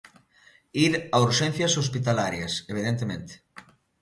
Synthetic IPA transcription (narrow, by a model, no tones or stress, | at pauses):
iɾauɾʃẽn̟θjɐsospit̪alaɾjɐseβ̞iðent̪emẽnt̪e̥